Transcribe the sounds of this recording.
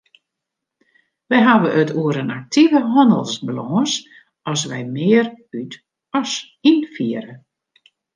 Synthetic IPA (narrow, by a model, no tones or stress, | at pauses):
ʋɛjɦaʋəʔœtʰuəɾənak̚tʰivəɦɔndə̰lˠsbəlɔːs | ɔs̬ʋɛ̰jmɪːəryt | ɔs | infiəɾə